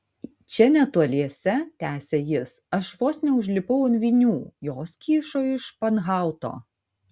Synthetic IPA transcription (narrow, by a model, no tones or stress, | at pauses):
t͡ʃʲɛnʲɛt̪uɔlʲiɛsʲɛt̪ʲæːsʲejɪsɐʃʋoːsnʲɛʊʒʲlʲɪpɐʊɐnʋʲinʲuːjoːskʲiːʃoːɪʃpɐnɣɑˑʊt̪o̰ː